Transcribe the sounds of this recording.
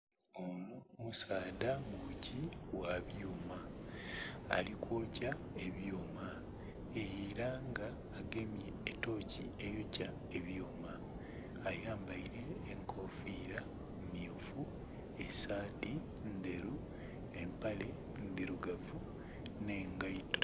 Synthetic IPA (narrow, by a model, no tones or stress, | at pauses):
onomusaːdamuciwaβjoːmaː | likwoːca | e̞βjoːma | ejiɾaŋɡaːɡe̞mjeːto̞ːciejoca | e̞βjoːmaː | jaːmbaiɾe̞ːŋkʰo̞ːfiːɾa | miofu | e̞saːti | nd̪eɾu | empale̞ | nd̪eɾuɡavu | ne̞ːŋɡaito